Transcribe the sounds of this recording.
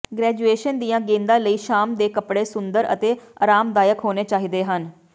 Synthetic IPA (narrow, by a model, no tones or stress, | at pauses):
ɡɾɛːd͡ʒueːʃənd̪ijãːɡẽːnd̪ãːləiːʃaːmd̪eːkəpɽeːsʊnd̪əɾə̰t̪eːa̰ːɾaːmd̪aːjəkɦoːneːt͡ʃaːɦiːd̪eːɦən